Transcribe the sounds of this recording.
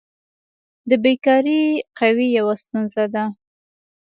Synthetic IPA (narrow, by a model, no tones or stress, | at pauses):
d̪əbekɑɾiqawijawast̪unzad̪a